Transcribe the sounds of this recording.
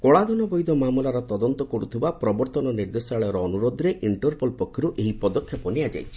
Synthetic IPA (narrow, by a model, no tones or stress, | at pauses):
kɔɭad̪ɔnɔbɔjd̪ʱɔmamulaɾɔt̪ɔd̪ɔnt̪ɔkɔɾut̪ʰibapɾɔbɔɾt̪ɔnɔniɾd̪esaɭɔɾɔːnuɾod̪ɔɾeʔiɳʈɔɾpɔlpɔkʰːɔɾuʔeɦipɔd̪ɔkʰːjɔpɔniad͡ʒa̰jt͡ʃʰi̥